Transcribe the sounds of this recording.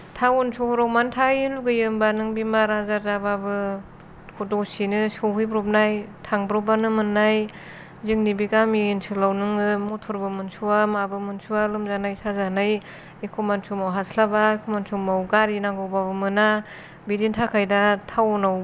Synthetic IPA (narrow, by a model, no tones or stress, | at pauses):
tʰawunsʰuhɔɾawmantʰajluɡɯjɯmbanɯŋbimaɾazaɾzababɯ | hʰudɔsinɯsoɦɯjbɾɔp̚najtʰaŋbɾɔbanɯmɯnːaj | ziŋnibiɡaminsʰɯlawnɯŋɯmɔtʰɔɾbɯmɯnsuwamabɯmɯnsuwalɯmzanajsazanaj | ikʰɔmansʰumawɦaslabaikʰɔmansʰumawɡaɾinaɡɔwbabɯmɯna | bidintʰakʰajdatʰawɔnaw